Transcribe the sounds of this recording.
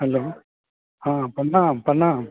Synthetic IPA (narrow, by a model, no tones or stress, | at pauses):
hɐloː | ãːpɐɳːãːpɐɳːãː